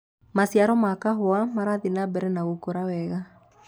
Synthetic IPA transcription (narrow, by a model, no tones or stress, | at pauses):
masjaɾɔmakaɦoamaɾaðinabɛɾɛnaɣokoɾawɛɣa